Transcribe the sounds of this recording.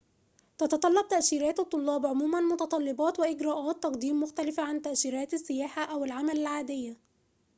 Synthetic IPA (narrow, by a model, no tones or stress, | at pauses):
t̪ɑt̪ɑt̪ˤɑlːɑb̚t̪aʔʃiːɾæːt̪ɑt̪ˤːʊlːɑːbʕʊmuːmanmʊt̪ɑt̪ˤɑlːɪbɑːt̪wɪʔɪɡɾɑːʔaːt̪ːɑqd̪iːmːʊxt̪alɪfaʕant̪aʔʃiːɾæːt̪asːɪjaːħaʔæwɪlʕamalɪlʕaːd̪ɪjːa